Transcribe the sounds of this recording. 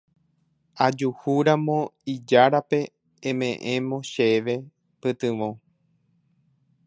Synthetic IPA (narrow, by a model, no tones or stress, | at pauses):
ad͡ʒuhuɾamõ̞id͡ʒaɾapẽ̞ː | mẽʔẽ̞mõ̞ʃeʋe̞ | pɨt̪ɨ̃ʋõ